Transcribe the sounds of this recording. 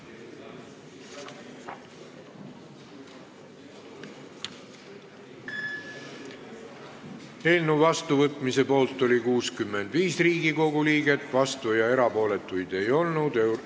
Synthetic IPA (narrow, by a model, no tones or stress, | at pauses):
e̞ːlnuvɑst̪uvɤt̪ˑmise̞po̞ːlt̪ːˑo̞lʲikuːskymːe̞nd̪viːsriːɡiko̞ɡuliːɡ̥e̞t̪ˑvɑst̪vujɑe̞ɾɑpo̞ːle̞t̪ːˑujd̪̥e̞jo̞lnud̪̥e